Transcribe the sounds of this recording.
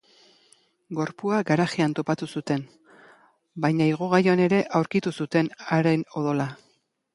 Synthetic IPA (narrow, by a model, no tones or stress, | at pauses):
ɡo̞ɾpuaɡaɾaxiant̪o̞pat̪usut̪e̞n | bajɲaiɣ̞oɣaɾjoane̞ɾe̞ʔawɾkit̪usut̪e̞naɾeno̞ðo̞la